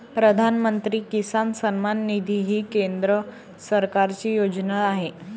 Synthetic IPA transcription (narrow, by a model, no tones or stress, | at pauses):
pɾəd̪ʱanmənt̪ɾiːkisansənmanːid̪ʱiɦiːkend̪ɾə | səɾkaɾt͡ɕiːjod͡ʑnaːɦe